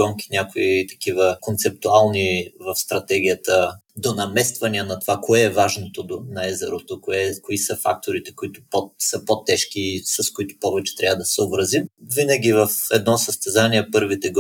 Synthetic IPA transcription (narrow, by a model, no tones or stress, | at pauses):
ɔŋkʲi̥nʲakoit̪ɐ̥kivəkont̪sɛp̚t̪ʊalˠnivɐfst̪ɾɐt̪ɛɡ̟ʲiət̪ə | d̪onɐmɛst̪vɐniənɐt̪ovakoɛːvaʒnot̪od̪onɐɛzɛɾot̪okoɛkoisəfa̰k̚t̪oɾit̪ɛkoit̪ʊ̥posəpot̪ːɛʃkiːsɐskoit̪ʊ̥pɔvɛt͡ʃɛ̥t̪ɾʲavəd̪ɐsɛobɾɐzimvinəɡ̟ʲivɐfɛd̪nɔsɐst̪ɛzaniɛpɤɾvit̪ɛɡ